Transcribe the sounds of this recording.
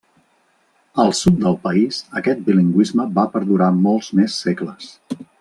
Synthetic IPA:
əlˠsut̪̚d̪əlˠpəizəkɛt̪̚biliŋɡwizməbapəɾðuɾamɔlˠzmesːekləs

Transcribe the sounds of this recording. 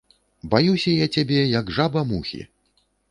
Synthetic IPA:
bajusʲɐjat͡sʲabʲɛjɐɡʐabɐmuxʲḭ

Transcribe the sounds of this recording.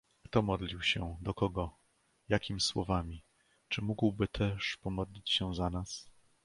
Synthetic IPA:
kt̪ɔmɔd̪lʲiwɕɛd̪ɔkɔɡɔ | jakʲimʲiswɔ̰vamʲi | t͡ʂɘmuɡwbɘt̪ʰɛʂpɔmɔd̪lʲit͡ɕɕɛzanas

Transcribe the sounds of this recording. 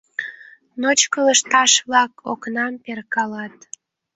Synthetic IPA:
not͡ɕkələʃt̪ɑʃβlɑko̰knɑmperkɑlɑt̪

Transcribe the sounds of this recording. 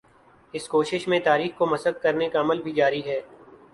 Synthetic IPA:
ɪskoːʃɪʃmẽt̪aːɾiːxkomɐsəd̪̚kɐɾnekaɐməlbʱid͡ʒaːɾiɦɛː

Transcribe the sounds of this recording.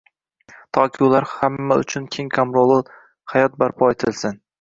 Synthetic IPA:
t̪ʰɒkʲʰɪʊlaɾhamːaʊ̰t͡ʃʰʊnkʲʰe̞ŋkʰamɾolˠɪ | hajɒt̪̚baɾpʰɒet̪ʰɪlsɪn

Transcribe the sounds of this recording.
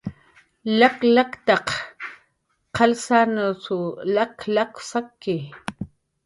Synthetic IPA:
laklakt̪ɑq | qʰɑlsanusulaklaksakːi

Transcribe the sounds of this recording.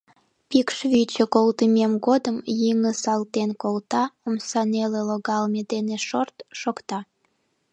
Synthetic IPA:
pikʃβit͡ɕekolt̪əmemɡod̪əmjiŋəsɑlt̪enkolt̪ɑomsɑneleloɣɑlmed̪eneʃort̪ʃokt̪ɑ

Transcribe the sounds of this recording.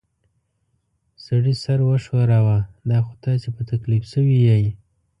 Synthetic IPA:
saɽisaɾwəʃwaɾawad̪ɑxot̪ɑsepət̪aklifsəwijaj

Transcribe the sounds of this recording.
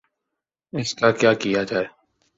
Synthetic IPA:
ɪskakjaːkijad͡ʒaːeː

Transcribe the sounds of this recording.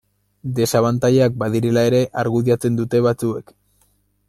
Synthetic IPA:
d̪e̞saβant̪ajak̚baðiɾe̞lae̞ɾe̞ʔaɾɣuðiat͡se̞nd̪ut̪e̞βat͡suek

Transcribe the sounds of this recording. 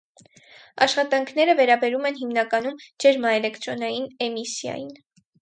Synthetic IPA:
ɑʃχɑt̪ɑŋkʰnɛɾəvɛɾɑbɛɾumɛnɦimnɑkɑn̪umd͡ʒɛɾmɑɛlɛkt̪ɾɔnɑjinɛmisjɑ̰jin

